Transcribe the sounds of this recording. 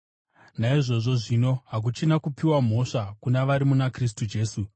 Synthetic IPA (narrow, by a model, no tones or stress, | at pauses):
naiʐo̞ʐo̞ʐino̞ɦak̬ut͡ʃinakupiwam̤o̞ʂakunaʋaɾimunakris̬tud͡ʒe̞ːsu